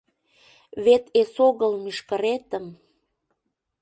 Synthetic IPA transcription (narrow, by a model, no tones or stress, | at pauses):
βet̪esoɣəlmyʃkəɾet̪əm